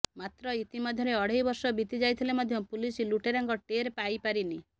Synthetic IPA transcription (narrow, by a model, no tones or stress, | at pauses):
mat̪ɾɔit̪imɔd̪ʱjɔɾeɔɽ̤ejbɔɾsɔbit̪id͡ʒajt̪ʰilemad̪ʱjɔpulisiluʈeɾaŋɡɔʈeɾpajpaɾini